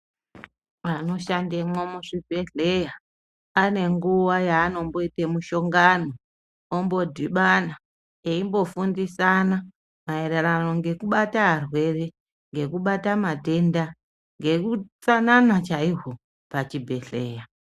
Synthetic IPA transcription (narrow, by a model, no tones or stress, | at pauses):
ano̞ʃandemomuʂibʱe̞ɬejaː | ne̞ŋɡuʋajaːno̞mbo̞itemuʃo̞ŋɡanoː | mbo̞dʱiɓana | eimbo̞fundisana | maeɾerano̞ŋɡe̞kuɓataɦarwe̞re | ŋɡe̞kuɓatamate̞nda | ŋɡe̞kut͡sananat͡ʃaiɦo | pat͡ʃibʱe̞ɬe̞ːja